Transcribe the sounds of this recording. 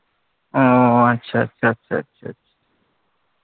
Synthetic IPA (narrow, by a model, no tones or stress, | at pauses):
oɐtːɕʰatːɕʰatːɕʰa̰tɕʰa̰tɕʰḁ